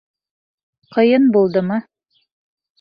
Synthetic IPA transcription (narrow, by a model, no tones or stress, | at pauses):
qɤ̆jɤnbulˠd̪ɤmɤ